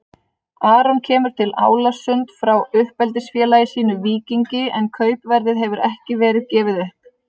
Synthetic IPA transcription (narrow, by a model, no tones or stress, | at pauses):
aːɾɔncʰɛːmʏɾ̥t̪ʰɪla̰ːwlasʏnt̪fɾawʏhpɛlt̪ɪsfjɛːlajɪsiːnʏviːciɲcɪɛnkʰœːɥpvɛɾðɪðɦɛvʏɾɛhcɪvɛːɾɪðcɛːvɪðœhp